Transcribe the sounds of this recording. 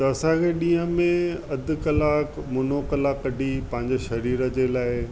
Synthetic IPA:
t̪ɐɐsãkʰeɗĩːə̃mẽɐd̪ʱkɐlaːkmʊnokɐlaːkːɐɖʱipɐ̃ɦɪ̃ɲd͡ʑoʃɐɾiːɾə̆d͡ʑeːlaːɪ

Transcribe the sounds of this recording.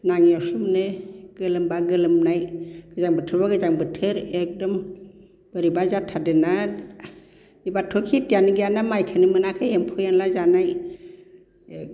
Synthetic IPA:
naŋiasumnɯɡ̥ɯlɯmbaɡɯlɯmnajɡ̥ɯzaŋbɯtʰɯɾbaɡɯzaŋbɯtʰɯɾek̚dɔm | b̥ɯɾibazatʰadɯna | ibatʰːokʰitijaniɡijanamajkʰanɯmɯnakʰajempʰujanlazanaj

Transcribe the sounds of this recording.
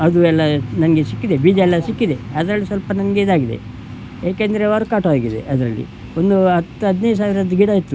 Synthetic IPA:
ɐd̪uɛlːɐnɐnɐɡe̞sikːid̪ebiːd͡ʒɛlːɐsikːid̪e̞ɐd̪ɐɾɐlːisʋɐlpɐnɐnɐɡeid̪aːɡid̪e̞̰ | jaːkeːnd̪ɐɾeɐɾukaːʈɦaːɡid̪e̞̰ʔɐd̪ɐɾɐlːḭ | ond̪uɐt̪ːuɦɐd̪nejs̬aːʋiɾɐd̪ːuɡiɽaːjit̪ːu

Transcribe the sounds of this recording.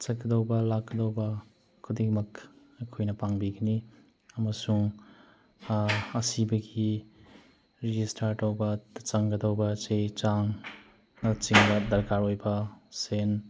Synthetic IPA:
t͡ʃɐɡɐd̪awbɐlakːɐd̪awbɐ | kʰud̪iɡmɐk | ekʰojnɐpaŋbiɡɐni | ɐmɐsuŋ | ɐsibɐɡi | ɾid͡ʒistʰaɾtawbɐt͡ʃaŋɡɐd̪awbɐt͡ʃejt͡ʃaŋ | nt͡ʃiŋbɐd̪ɐɾkaɾojbɐsen

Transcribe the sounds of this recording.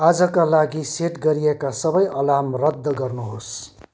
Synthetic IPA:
ad͡zʌkalaɡiseʈɡʌɾijekasʌbʌjʔʌlamrʌd̪ʱːɡʌrnuɦos

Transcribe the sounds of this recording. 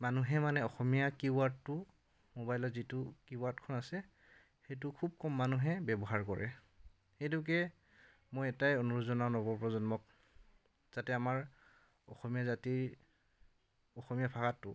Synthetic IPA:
manuɦɛmanɛɔxɔmijakiwaɹtːʊ | mobajlɔtzitʊkiwaɹtkʰɔnasɛ | xejt̬ʊkʰub̚kɔmːanuɦɛbɛbɔɦaɹkɔɹʔɛ̰ | xejtʊk̬ɛ | mojɛtajonuɹuzɔnaʊnɔbɔpɹɔzɔnmɔk̚ | z̥atɛamaɹ | ɔ̰xɔmijazatiɹ | ɔxɔmijapʰaxatːʊ̰

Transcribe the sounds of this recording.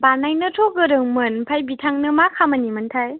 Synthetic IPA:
banajnɯtʰoɡɯɾɯŋmɯnpʰajbitʰaŋnɯmakʰamɐnimɯntʰaj

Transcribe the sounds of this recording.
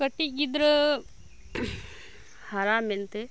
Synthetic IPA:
kɐʈːiid̪ɾ | haɾaːmelt̪e

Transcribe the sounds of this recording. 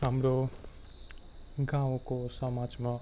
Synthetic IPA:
amɾo | ɡãw̃kosʌmad͡zma

